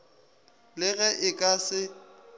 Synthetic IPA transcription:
lɪɣɛʔɪkʼasɪ

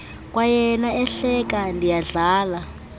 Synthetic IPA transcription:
kwajɛnaɛɬɛk̬andʱijaɮaːla

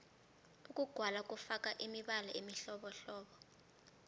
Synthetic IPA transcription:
ukʼuɡ̥ʱwalak̬ʼufakaʔimiɓalaimiɬɔɓɔɬɔːɓɔ

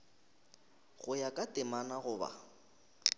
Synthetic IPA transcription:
ɣʊjakʼatʼɪmanaɣʊːba̰

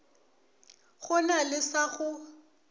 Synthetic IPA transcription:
ɣʊnalɪsaɣʊ

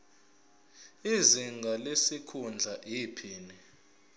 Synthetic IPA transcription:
iziŋɡʱalesikʰund͡ɮʱaʔipʰiːni

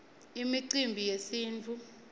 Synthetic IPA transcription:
imiǀimbʱijesiːnt͡fʰu

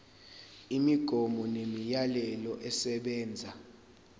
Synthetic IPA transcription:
imiɡ̥ʱɔmɔnemijalɛlɔʔɛsɛɓɛːnd͡zʱa

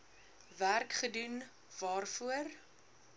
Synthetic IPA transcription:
værkχədun | vɑːrfuər

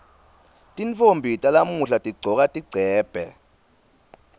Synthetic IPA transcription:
tʼint͡fombʱitʼalamuɬatʼiɡ͡ǀʱɔk̬atʼiɡ͡ǀʱɛːb̥ʱɛ̰

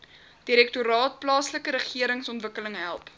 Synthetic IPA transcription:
d̥iɾɛk̚tuɾɑːt̚plɑːsləkəɾəχiəɾəŋsɔntvəkələŋɦæ̰lˠp

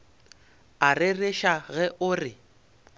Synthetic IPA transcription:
arɪreʃaɣɛʔʊrɪ

